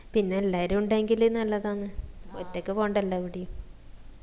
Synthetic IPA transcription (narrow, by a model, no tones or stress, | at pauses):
pinːeːlːaːɾumuɳɖaeŋɡilenɐlːɐðaːnːɨo̰tːokːefoːɳɖɐlːɐʋiɽijum